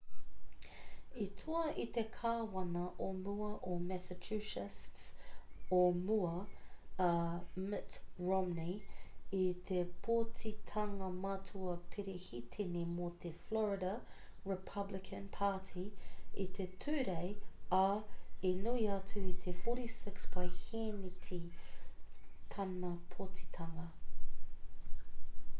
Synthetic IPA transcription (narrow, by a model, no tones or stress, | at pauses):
itʰuɐit̪ekʰaːwɐnɐʔomuɐʔomɛsət͡ʃʰʉʃɪstsomuɐ | mɪtɹɔmniit̪ʰepʰoːtitʰɐŋɐmatʰuɐpʰeɾehitʰenemot̪ʰeflɔɹɪɾɐɹɪpʰɐblɪkʰə̃npʰaːtʰiḭt̪ʰetʰʉːɾeɪɐenuiɐtʰuit̪ʰefoːɾisɪksb̥ɐɪhenitʰi | t̪ʰɐnɐpʰotʰi̥t̪ʰɐŋɐ